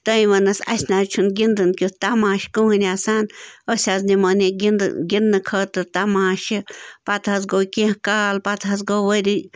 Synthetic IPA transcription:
t̪əjwanəsa̰snaɾt͡ʃʰunɡʲind̪ɨnkjut̪amãʃkũhɨnasanəsʲaznimənĩɡind̪̰ɡʲinːə̃kʰət̪ɨt̪amãʃəpat̪has̬ɡokãkalpat̪as̬ɡowəɾi

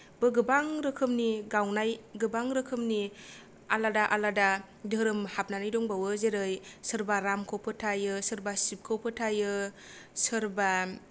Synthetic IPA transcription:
bɯɡɯbaŋɾɯkʰɯmniɡawnajɡɯbaŋɾɯkʰɯmni | aladaʔalada | dɯɾɯmhap̚nanajdɔŋbawɯzeɾɯjsɯɾbaɾamkʰawpʰɯtʰajɯsɯɾbasip̚kʰɯwpʰɯtʰajɯ | sɯɾba

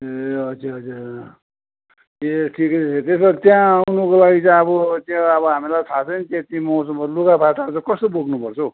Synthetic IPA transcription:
ʌd͡ziʌd͡zuɾ | eʈʰikʌset̪esʌt̪jãawnʌkolaɡit͡sʌjʌbʌt̪jãʌbʌɦamilajt̪ʰat͡sʰʌnit̪jãt̪ĩmʌwsʌmʌlukapʰaʈat͡sʌkʌst̪oboɡnupʌrt͡sʰʌ

